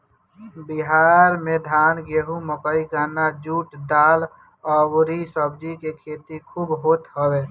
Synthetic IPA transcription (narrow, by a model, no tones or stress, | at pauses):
bɪɦaːɾmed̪ʱaːnɡeɦuməkəiɡaːnad͡ʒuːʈd̪aːl | ɔɾisəb̚d͡ʒikekʰeːt̪ikʰuːbɦoːt̪ɦəweː